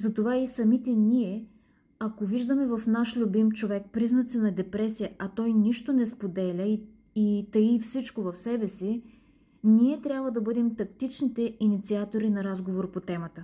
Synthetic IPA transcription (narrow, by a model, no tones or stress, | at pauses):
zɐt̪ovaisɐmit̪ɛniɛ | ɐkoviʒd̪əmɛvɐfnaʃlʲʊbimt͡ʃovɛk̚pɾiznɐt̪sɛnɐd̪ɛpɾɛsijəɐt̪ɔjniʃt̪onɛspod̪ɛlʲəi | it̪ɐifsit͡ʃkovɐfsɛbɛsi | niɛt̪ɾʲjabvəd̪ɐbɤd̪ɛmt̪ɐkt̪it͡ʃnit̪ɛʔinit̪siat̪oɾinɐɾazɡovoɾpot̪ɛmət̪ə